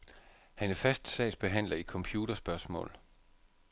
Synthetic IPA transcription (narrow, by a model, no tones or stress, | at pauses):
hænæfæsd̥sɛ̰ːɪsb̥e̝ɦæn̰lɐikʰɒ̽mpʰjuːd̥ɐsb̥ɶɐsmɔ̰̽ːl